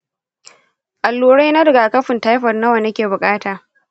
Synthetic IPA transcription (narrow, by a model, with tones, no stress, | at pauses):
ʔa˨lːuː˦ɽa˦jna˦dɐ˨ɡaː˨kɐ˦ɸɪ˨nta˦jɸɐ˨rna˦wɐ˨ne˦kʲeː˨bʊ˨kʼaː˦taː˨